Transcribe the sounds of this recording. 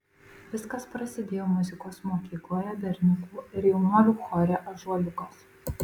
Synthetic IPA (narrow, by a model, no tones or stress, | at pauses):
ʋʲɪskɐspɾɐsʲɪd̪ʲeːjoːmʊzʲɪkoːsmoːkʲiːklˠoːjɛbʲɛɾʲnʲʊkuːɪɾjɛʊnoːjuːxɔɾʲɛʔɐʒuɔlʲʊkoːs